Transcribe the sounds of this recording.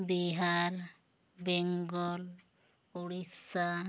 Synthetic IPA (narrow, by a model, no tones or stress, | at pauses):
biɦaɾ | bɛŋɡɔl | uɽisa